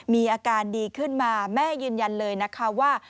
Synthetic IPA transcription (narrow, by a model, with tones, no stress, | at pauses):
miː˧ʔaː˧kaː˧ndiː˧kʰɯ˥˩nmaː˧mɛː˥˩jɯː˧nja˧nlɤː˧jna˦˥kʰa˦˥waː˥˩